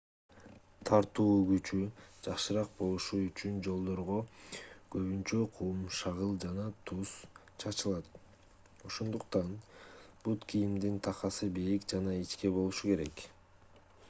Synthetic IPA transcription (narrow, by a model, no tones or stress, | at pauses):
t̪ʰɑɾt̪uːɡyt͡ʃyd͡ʒɑqʃɯɾɑq̚bo̞lˠuʃuyt͡ʃynd͡ʒo̞lˠd̪o̞ɾʁo̞kø̞βynt͡ʃøqʰuːumʃɑʁɯlˠd͡ʒɑnɑt̪ʰus | t͡ʃʰɑt͡ʃɯlˠɑt̪̚ | o̞ʃo̞nd̪uqt̪ɑnb̥ut̪kʰijimd̪int̪ʰɑqɑsɯbijikd͡ʒɑnɑit͡ʃke̞bo̞lˠuʃuke̞ɾe̞k